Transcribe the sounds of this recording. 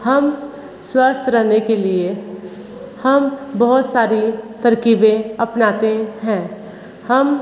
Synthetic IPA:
həm | swəst̪ʰɾəɦnekelie | həmbəɦʊt̪saːɾit̪əɾkiːbẽɐpnaːt̪eɦɛ̃ː | həm

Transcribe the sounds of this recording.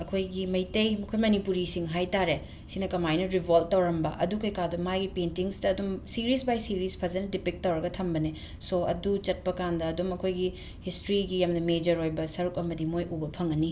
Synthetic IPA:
ɐkʰojɡimɐjtɐjmɐkʰojmɐnipuɾisiŋɦajtaɾe | sinɐkɐmajnɐɾibʱol̚tːɐwɾɐmbɐʔɐ̰dukɐjkadumajɡipentiŋstɐːdumsiɾisbajsiɾispʰɐzɐnɐdipik̚tːɐwɾɐɡɐtʰɐmbɐne | soɐ̰dut͡ʃɐt̚pɐkandɐːdumɐkʰojɡi | histɾiɡijamnɐmed͡ʒɐɾojbɐsɐɾukɐmɐdimojubɐpʰɐŋɐni

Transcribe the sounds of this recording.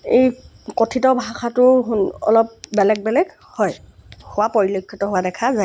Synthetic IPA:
ej | kɔtʰitɔbʱaxʰatʊɦɔ̰lɔp̚bɛlɛɡ̚bɛlɛɡ | hɔj | hʊwapɔɹilɔkʰːitɔɦowadɛkʰazaj

